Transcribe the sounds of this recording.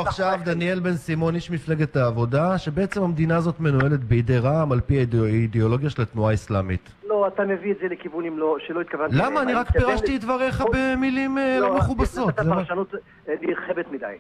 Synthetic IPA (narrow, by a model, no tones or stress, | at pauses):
aχʃavd̪anie̞lbe̞nsimo̞njiʃmifleɡet̪aːvo̞daʃe̞beet͡semhamd̪inaːzo̞t̪me̞nue̞let̪beidejʁaːmalpiaid̪eo̞lo̞ɡjaʃelat̪nuaislamḭt | loat̪amevietzelekivunimloʃelo̞it̪kavanlamaːniʁakppeʁaʃtiit̪vaʁeχabemilimlomeχubasotzeʃanut̪ | lilχevet̪mid̪a̰j